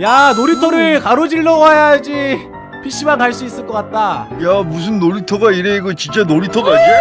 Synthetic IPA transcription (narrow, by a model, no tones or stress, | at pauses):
janoɾitʰʌɾɯɭkaɾod͡ʑiɭːʌajad͡ʑi | pʰiɕ͈imankaɭs͈uis͈ɯɭk͈ʌk͈at̚t͈ajamus̬ʰɯnːoɾitʰoɡaiɾeɡɯt͡ɕint͡ɕ͈enoɾitʰʌɡat͈e